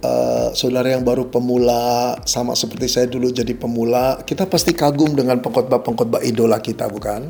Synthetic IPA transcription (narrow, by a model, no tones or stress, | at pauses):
ə̰sodaɾajaŋbaɾupəmulasama̰səpərt̪isajadulud͡ʒadipəmulakit̪apast̪ikaɡʊmdəŋanpəŋkɔt̪̚bapəŋkɔt̪̚baʔidolakit̪a̰bukan